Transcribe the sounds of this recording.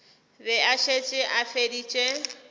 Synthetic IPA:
bɛaʃet͡ʃʼɪʔafedit͡ʃʼe

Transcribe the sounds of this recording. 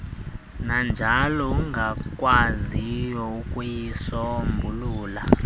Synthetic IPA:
nand͡ʒʱalɔuŋɡʱakʼwazijɔukʼujisɔmbʱuluːla

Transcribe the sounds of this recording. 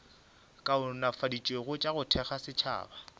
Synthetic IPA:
kʼaʊnafadit͡ʃʼweɣʊt͡ʃʼaɣʊtʰɛχasɪt͡ʃʰa̰ːba

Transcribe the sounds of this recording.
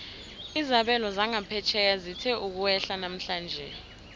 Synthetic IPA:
izaɓɛlɔzaŋapʰɛt͡ʃʰɛk̬azitʰɛʔuk̬uwɛɬanam̩ɬaːnd͡ʒʱɛ

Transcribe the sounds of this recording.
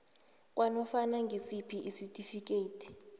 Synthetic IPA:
k̬ʼwʔanɔfanaŋɡʱisipʰiʔisitʼifik̬ʼeːtʰi̥

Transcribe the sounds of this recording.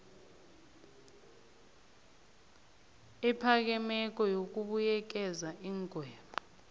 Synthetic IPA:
ipʰak̬ɛmɛk̬ʼɔjok̬ʼuɓujɛk̬ɛzaʔiːŋkʼwɛːɓɔ

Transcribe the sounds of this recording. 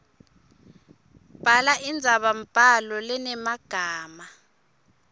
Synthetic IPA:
b̥ʱalaʔind͡zʱaɓampʼalɔlɛnɛmaɡ̥ʱaːma

